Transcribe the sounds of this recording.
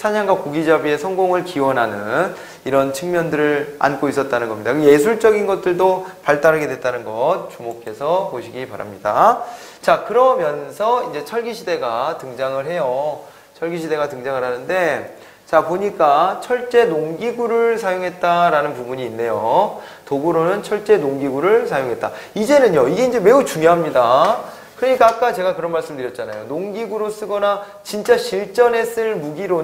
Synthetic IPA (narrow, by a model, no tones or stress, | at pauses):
sʰaɲaŋɡwakuɡid͡ʑabie̞sʰʌŋɡoŋɯɭkiwʌnɦanɯn | iɾʌnt͡ɕʰɯŋmjʌndɯɾɯɭa̰nk͈ois͈ʌt̚t͈anɯnɡʌmɲidakɯje̞sʰuɭt͡ɕ͈ʌɡinɡʌt̚t͈ɯɭdopaɭt͈aɾɯɡe̞dwe̞t̚t͈anɯnɡʌt̚t͡ɕumokʰe̞sʰʌpoɕʰiɡipa̰ɾa̰mɲida | t͡ɕakɯɾʌmjʌnsʰʌind͡ʑe̞t͡ɕʰʌɭɡiɕʰide̞ɡatɯŋd͡ʑaŋɯɭɦe̞jo | t͡ɕʰʌɭɡiɕʰide̞ɡatɯŋd͡ʑaŋɯɭɦanɯnde̞ | t͡ɕapoɲik͈at͡ɕʰʌɭt͡ɕ͈e̞noŋɡiɡuɾɯɭsʰajoŋɦe̞t̚t͈aɾanɯnpubuɲiːnːe̞jo | toɡuɾonɯnt͡ɕʰʌɭt͡ɕ͈e̞noŋɡiɡuɾɯɭsʰajoŋɦe̞t̚t͈a | id͡ʑe̞nɯnɲjoiɡe̞ind͡ʑe̞me̞ut͡ɕuŋjoɦamɲida | kɯɾʌɲik͈aːk͈at͡ɕe̞ɡakɯɾʌnmaɭs͈ɯmdɯɾjʌt̚t͡ɕ͈ana̰jonoŋɡiɡuɾos͈ɯɡʌna | t͡ɕint͡ɕ͈aɕʰiɭt͡ɕ͈ʌne̞s͈ɯɭmuɡiɾo